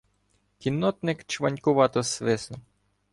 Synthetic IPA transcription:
kʲinːɔt̪nɪkt͡ʃʋɐnʲkʊʋɑt̪ɔsʋɪsnʊ

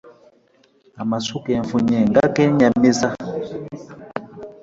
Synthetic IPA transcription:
amasukɛɱfuɲɛŋɡakɛɲamiza

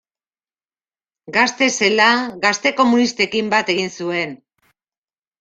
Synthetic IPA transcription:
ɡast̪e̞se̞laɣast̪e̞ko̞munist̪e̞kimbat̪e̞ɣ̞insue̞n

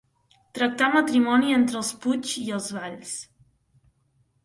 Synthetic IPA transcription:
t̪ɾək̚t̪amət̪ɾimɔnient̪ɾəːlˠspud͡ʒiəlˠzβaʎs

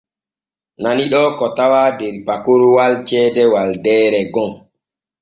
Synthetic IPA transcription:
naniɗɔkɔtawaːdeɾpakoɾwalt͡ʃɛːdɛwaldɛːɾɛɡɔŋ

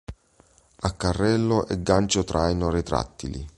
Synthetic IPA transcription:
akːarːɛlːʊʔɛɡːant͡ʃot̪ɾʔajnoɾit̪ɾa̰t̪ːilḭ

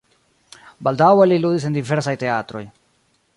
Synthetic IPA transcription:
baldaweliludis̬endiveɾsajte̞atɾo̞̰j

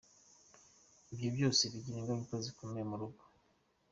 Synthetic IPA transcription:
ibjobjo̞ːseβiɟiɾiŋɡaŋukozikʰome̞muɾuɡḁ

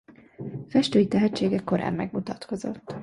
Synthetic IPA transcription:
fɛʃt̪øːjit̪ɛɦɛt͡ʃːeːɡɛkːo̞ɾa̰ːmːɛɡmut̪ɒt̪ko̞zo̞̰t̪ː

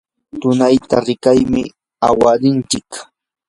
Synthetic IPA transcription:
t̪ʊnajt̪aɾɪkajmɪ | a̰waɾɪnt͡ʃɪk

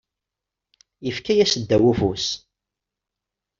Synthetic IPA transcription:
jəfkæjæsəd̪ːæwufus

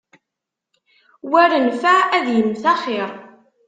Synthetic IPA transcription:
wæɾənfææðjəmːθæχɪɾˤ

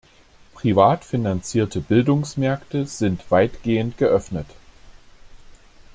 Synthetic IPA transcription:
pʁ̥ivaːtfɪnant͡siːɐtʰəbɪldʊŋsmɛɐktəz̥ɪntv̥aɪtɡ̥eːəntɡ̥əʔœfnət

